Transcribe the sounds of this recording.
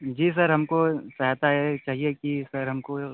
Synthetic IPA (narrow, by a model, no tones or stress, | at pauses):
d͡ʒiːs̬ɐɾɦɐmkosɐɦat̪aɦɛt͡ʃaːɦiekisɐɾɦɐmko